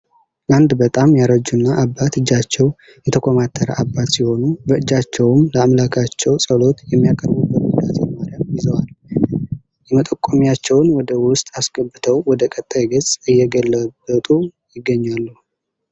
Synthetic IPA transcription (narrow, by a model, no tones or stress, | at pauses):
ʔand̪bət̪ʼamjaɾəd͡ʒunːaʔabːat̪ɨd͡ʒːat͡ʃːɛw | jɛt̪ʰəkʰʷʼomat̪ʰːəɾə̰abːat̪siho̞nubəɨd͡ʒːat͡ʃːɛwmləamlakʰat͡ʃːɛwsʼəlo̞t̪jɛmːijakʼəɾbubəɾuɡd̪at̪ʰʼɛnmaɾjamjɪzəwal | jɛmət̪ʼəkʼːomijat͡ʃːɛwnwɔd̪əwʊst̪ʼasɡʼəbɨt̪ʰəwwɔd̪əkʼət̪ʼːajɡəzʼɨjːɛɡəlːəbət̪ʼujɪɡːəɲːalːu